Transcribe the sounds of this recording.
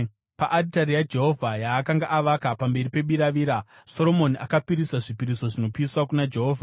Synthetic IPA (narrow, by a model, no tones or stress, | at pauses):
pa̰ʔaditaɾijad͡ʒe̞ɦo̞vʱajaːkaŋɡaʔaʋakapambe̞ɾipe̞ɓiɾaʋiːɾa | so̞ɾo̞mo̞niʔakapiɾisaʐipiɾiso̞ʐinopiswakunad͡ʒe̞ɦoːvʱa